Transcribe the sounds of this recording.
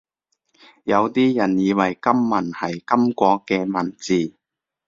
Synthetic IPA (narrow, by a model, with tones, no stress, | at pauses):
jɐ˨˧wt̪iː˥jɐ˨˩njiː˨˧wɐ˨˩jkɐ˥mːɐ˨˩nhɐ˨˩jkɐ˥mkʷɔː˧kɛː˧mɐ˨˩nt͡siː˨˩